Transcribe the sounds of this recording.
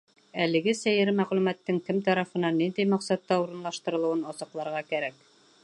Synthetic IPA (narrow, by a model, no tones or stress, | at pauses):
ælɘ̆ɡɘsæjɘɾɘmæʁlʉmæt̪ːɘŋkɘmt̪ɑɾɑfɤ̆nɑnːind̪ijmɑqsɑt̪ːɑuɾɤ̆nlˠɑʃt̪ɤ̆ɾɤ̆lˠɤ̆wɤnɑsɤ̆qlˠɑɾʁɑkæɾæk